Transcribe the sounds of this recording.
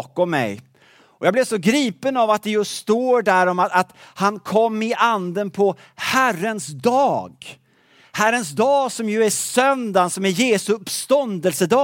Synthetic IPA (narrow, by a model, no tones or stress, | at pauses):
kɔmːɛ̰j | ɔjaːɡblɛvsɔɡɾiːpənavat̪̚d̪ɛjɵst̪oːɖæɾɔmaat̪hankʰɔmːɪʔand̪ənpʰɔ | hærənsd̪ɑːɡ | hæɾəns̬d̪ɑːɡsɔmjɵæsœnd̪ansɔmæɾjeːsɵɵpst̪ɔnd̪əlsəd̪ɑː